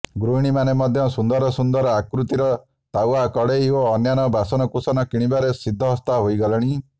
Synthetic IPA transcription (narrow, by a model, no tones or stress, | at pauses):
ɡɾuiɽ̃imanemɔd̪ʱjɔsund̪ɔɾɔsund̪ɔɾɔakɾut̪iɾɔ | t̪awakɔɽeioːnjanɔbasɔnɔkusɔnɔkiɽ̃ibaɾesid̪ʱːɔɦɔst̪aɦojɡɔlɔɽ̃i